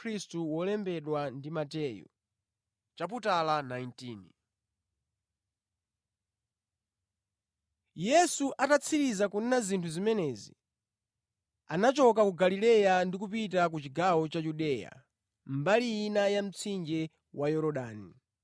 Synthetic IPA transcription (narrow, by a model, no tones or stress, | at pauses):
ɾistuwɔlɛmbɛɗwandimatɛjɔ̰ | t͡ʃap̬utalanajintiːni | jɛsuʔatat͡sʰiɾizakunɛnazintʰuzimɛnɛzḭ | anat͡ʃɔk̬akuɡalilɛjandikupitak̬ut͡ʃiɡawɔt͡ʃajuɗɛja̰ | mbalijinajam̩t͡sʰind͡ʒɛ | wajɔɾɔɗaːni